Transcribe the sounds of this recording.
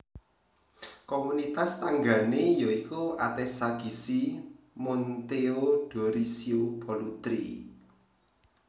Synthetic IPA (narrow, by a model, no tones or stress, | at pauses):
komunit̪ast̪aŋɡanejoikua̰t̪ɛsad̥i̤si | mɔnt̪eoɖ̥o̤ɾisiob̥ɔlut̪ɾḭ